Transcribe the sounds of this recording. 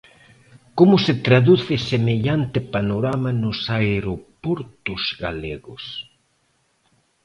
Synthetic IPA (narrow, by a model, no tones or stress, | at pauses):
komʊset̪ɾaðuθɪsemeʎant̪epanoɾamanʊsaeɾopoɾt̪ʊzɣa̰leɣʊs